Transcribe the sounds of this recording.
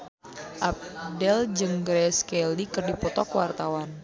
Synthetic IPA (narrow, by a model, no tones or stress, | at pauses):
ʔap̚dɛld͡ʒɨŋɡɾɛskɛlikərdipɔt̪ɔkwart̪awan